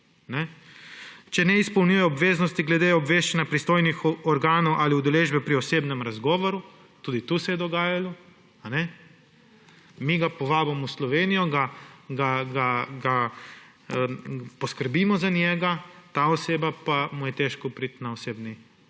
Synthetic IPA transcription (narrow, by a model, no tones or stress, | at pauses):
nɛ | t͡ʃɛnɛispownʲujɛɔbʋeːznɔst̪iɡlɛd̪eɔbʋeːʃt͡ʃanjapɾist̪oːjnixɔɾɡaːnowʔaliud̪ɛleːʒbɛpɾiɔseːbnɛmɾazɡɔːʋɔɾu | t̪uːd̪it̪usɛjɛd̪ɔɡaːjalɔ | anɛ | miɡapɔʋaːbamɔuslɔʋeːnijɔɡaɡaɡaɡa | pɔskəɾbiːmɔzanʲjɛːɡat̪aɔseːbapamujɛt̪eʃkɔpɾit̪naoseːbni